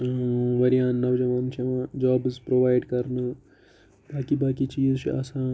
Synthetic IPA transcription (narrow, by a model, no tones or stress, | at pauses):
ʋɐɾijãːnːɐʋd͡ʒɐmɐːnt͡ʃʰɐmãːd͡ʒaːbzpɾoːʋaːjɖkɐɾnɨ | baːkibaːkit͡ʃiːzt͡ʃɐ̰sãː